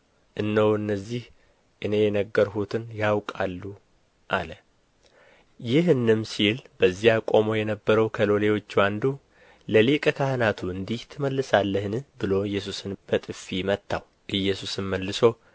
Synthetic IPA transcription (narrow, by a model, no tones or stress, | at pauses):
ʔɨnːəwɨnːəzːih | ʔɨne̞jɛnəɡːəɾɦut̪ʰɨnjawkʼalːu | ʔa̰lə | jɪɦɨnːɨmsilbəzːijakʼo̞mo̞jɛnəbːəɾəwkʰəlo̞le̞wo̞t͡ʃːwand̪u | ləlekʼəkʰahɨnat̪ʰuɨnd̪iht̪ʰɨməlːɨsalːəhnɨbɨlo̞ɨjːɛs̬usɨnb̥ət̪ʼɨfːimət̪ːaw | ʔɨjːɛsusɨnməlːɨso̞